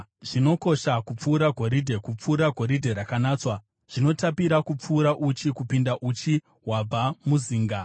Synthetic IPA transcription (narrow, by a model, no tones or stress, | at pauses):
ʐ̥ino̞ko̞ʃakup͡fuːɾaɡʱo̞ɾidʱe̞kup͡fuːɾaɡʱo̞ɾidʱe̞ɾakanaːt͡swa | ʐ̥ino̞tapiɾakup͡fuːɾaʔut͡ʃikupindaʔut͡ʃi | ɦwab͡vamuziːŋɡa